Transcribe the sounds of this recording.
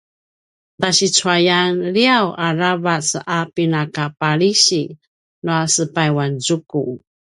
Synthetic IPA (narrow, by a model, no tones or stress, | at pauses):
taɕit͡suajanɾiawʔaɾavat͡sapinakapaɾiɕi | nuasəpajwanzuku